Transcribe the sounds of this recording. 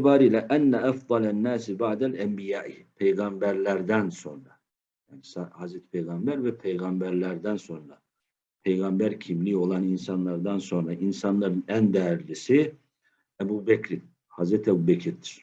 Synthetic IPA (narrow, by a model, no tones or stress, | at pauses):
baːɾiːlʲɛʔænːæʔafd̪ˤɑlænːæːsibaʕd̪ælæmbijaːʔipʰejɡɑmbæɾlʲæɾd̪ænso̞̰nɾa | jaːnisahazɾɛt̪ʰi̥pʰejɡɑmbæɾvɛpʰejɡɑmbæɾlʲæɾd̪ænso̞nɾa | pʰejɡɑmbæɾcʰimlio̞lˠaninsɑnlˠɑɾd̪anso̞nɾaʔinsɑnlˠɑɾɯnænd̪ɛjæɾlʲisi | ɛbuːbɛcʰɾi | hazɾɛt̪ʰɛbuːbɛcʰiɾd̪iɾ̥